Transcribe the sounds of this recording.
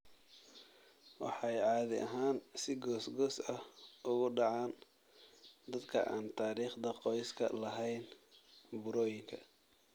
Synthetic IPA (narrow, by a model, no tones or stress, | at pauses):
wɑ̰ħɑjʕɑːðɪ̰ʔɐ̰ɦaːnsɪɡɔːsɡɔːsɐhʔʊɣʊɖɑʕɑːn | d̪ɐd̪kʰɐ̰ʔaːnt̪ʰaːɾiːχd̪ɐqɔjskʰɐ̰lɐɦɛjn | bʊɾɔːjɪŋkʰɐ̰